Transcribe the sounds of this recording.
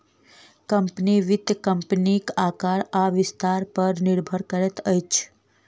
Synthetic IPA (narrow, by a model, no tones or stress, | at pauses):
kəmpniʋɪd̪jəkəmpnikakaɾaʋɪst̪aɾpəɾniɾbʱəɾkəɾɛt̪əjt͡ʃʰ